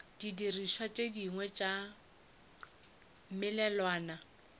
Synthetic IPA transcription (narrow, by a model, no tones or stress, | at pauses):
d̥idiriʃwat͡ʃʼediŋwɛt͡ʃʼa | m̩mɪlɛlwaːna